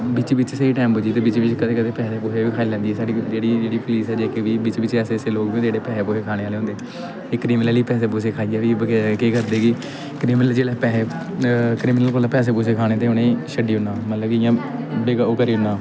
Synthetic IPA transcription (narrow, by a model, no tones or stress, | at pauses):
bɪt͡ʃːbɪt͡ʃseːiːʈɛːmbʊd͡ʒiːt̪eːbɪt͡ʃʋɪt͡ʃkəd̪eːkəd̪eːpɛːseːpoːseːʋiːkʰaːiːlɛ̃ːnd̪iːɛːsaːɽid͡ʒeːɽiːd͡ʒeːɽiːpʊliːsɛːd͡ʒeːkeːʋiːbɪt͡ʃbɪt͡ʃɛːseːseːloːkʋĩːeːɽeːpɛːseːpoːseːkʰaːɽ̃eːʋaːleːɦʊ̃nd̪eː | t̪eːkɾiːmɪnəliːpɛːseːp̬ʊːseːkʰaːiːɛːʋiːkeːkəɾd̪eːkɪ | kɾiːmnəld͡ʒeːɽɛːpɛːeː | kɾiːmɪnəlkoːlaːpɛːs̬eːp̬ʊseːkʰaːɽ̃eːt̪eːɦʊnẽːʃəɖiːɦʊnaːmət̪ləbkɪjãːbeːɡaːkəɾiːɦʊnːãː